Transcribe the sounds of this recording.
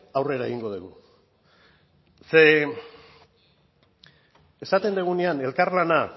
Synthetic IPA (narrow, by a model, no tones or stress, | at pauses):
awre̞ɾae̞ɣiŋɡo̞ð̞uɣu | se | esat̪e̞nd̪eɣ̞uneane̞lkarlana